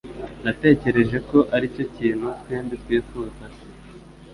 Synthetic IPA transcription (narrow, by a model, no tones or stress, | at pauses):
nate̞ːce̞ɾe̞ʒe̞ko̞ʔaɾico̞ciːn̥hutweːmbitwiːfukase